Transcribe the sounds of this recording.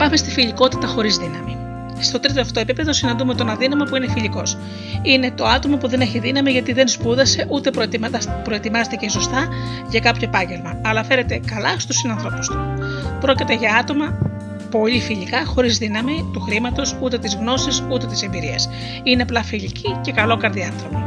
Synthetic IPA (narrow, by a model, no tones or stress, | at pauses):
pɐmest̪ifiʎiko̞t̪i̥t̪ɐxo̞ɾizðinɐmi | st̪o̞t̪ɾit̪oft̪oe̞pipe̞ðo̞sinɐnd̪ume̞t̪onɐðinɐmopuinefiʎiko̞s | ine̞t̪o̞ɐt̪o̞mopuðe̞ne̞çiðinɐmiʝɐt̪iðe̞nspuðɐse̞ʔut̪e̞popɾo̞e̞t̪imɐzet̪eceso̞st̪ɐ | ʝɐkɐpço̞epɐɲɟe̞lmɐːlɐfe̞ɾe̞t̪e̞kɐlɐst̪usinɐnθɾo̞pu̥st̪u̥pɾo̞cit̪e̞ʝɐɐt̪o̞mɐ | po̞ʎifiʎikɐxo̞ɾizðinɐmit̪uxɾimɐt̪o̞sut̪e̞t̪izɣno̞sisut̪e̞t̪i̥se̞mbiɾiɐs | ineɐplɐfiʎicice̞kɐlo̞kɐɾðiɐθɾomo